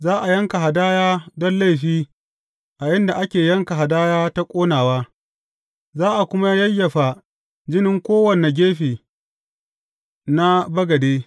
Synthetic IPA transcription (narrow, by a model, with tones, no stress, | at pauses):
zaː˦ʔa˨jɐ˦ŋka˨ɦa˨daː˦jaː˦dɔ˦nla˦jɸiː˦ | ʔa˨jɪ˦nda˨ʔa˦kʲeː˨jɐ˦ŋka˨ɦa˨daː˦jaː˦ta˦kʷʼoː˦naː˨waː˦ | zaː˦ʔa˨kʷʊ˦ma˦jɐ˦jːɐ˨ɸa˨ | d͡ʒɪ˦nɪ˦ŋkʷoː˦wɐ˨ne˨ɡʲeː˦ɸiː˨ | na˦bɐ˦ɡɐ˨deː˦